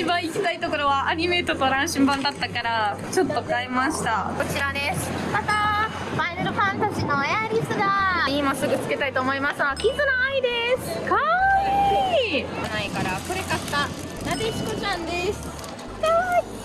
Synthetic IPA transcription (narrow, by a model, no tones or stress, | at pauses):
ibãɰ̃ikʲi̥t̪ait̪o̞ko̞ɾo̞βaʔːɲ̟ime̞ːt̪o̞t̪oɾãɰ̃ɕĩmbãnd̪at̪ːakaɾat͡ɕo̞t̪ːo̞kaemaɕi̥t̪ako̞t͡ɕiɾad̪e̞sɨ̥mat̪a | b̥aineɾɯ̟ɸãnt̪aʑinojaɾʲisɨɡaimasɨɡɯ̟t͡sɨ̥ke̞t̪ait̪oːmo̞imasɨnokʲĩnt̪onoaid̪esɨ̥ka | eikanaikaɾako̞ɾekakːa | nab̪eɕi̥kot͡ɕãnd̪e̞sɨ̥ | t̪o